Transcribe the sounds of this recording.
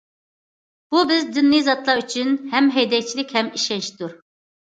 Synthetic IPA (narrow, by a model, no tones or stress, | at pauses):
b̥ubɪzd̪ynːɨjzɑt̪lˠɑɾyt͡ʃʰynhɛmɦɛjd̪ɛkʲt͡ʃʰilɪkʲhɛmiʃɛnʃt̪uɾ